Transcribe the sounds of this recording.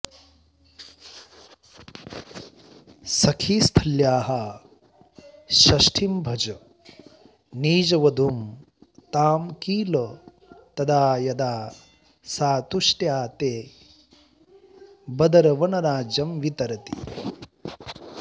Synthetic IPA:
sɐkʰiːst̪ʰɐljaːɦɐ | ʃɐʃʈʰimbʱɐd͡ʒɐ | niːd͡ʒɐʋɐd̪um | t̪aːmkiːlo | t̪ɐd̪aːjɐd̪aː | saːt̪uʃʈjaːt̪eː | bɐd̪ɐɾɐʋɐnɐɾaːd͡ʒjɐmʋit̪ɐɾɐt̪ḭ

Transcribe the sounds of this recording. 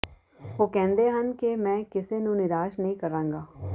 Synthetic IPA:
ɦoːkɛ̃ːnd̪eːɦənkemɛ̃ːkɪsenũːnɪɾaːʃnəɦĩːkəɾãːŋɡaː

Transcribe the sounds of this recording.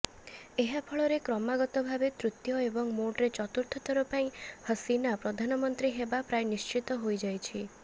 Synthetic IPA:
eɦapʰɔɭɔɾekɾɔmaɡɔt̪ɔbʱabet̪ɾut̪jɔebɔŋmoɖɾet͡ʃɔt̪uɾt̪ʰɔt̪ʰɔɾɔpaĩhəsinapɾɔd̪ʱanɔmɔnt̪ɾiɦebapɾajnist͡ʃit̪ɔɦojd͡ʒajt͡ʃʰi

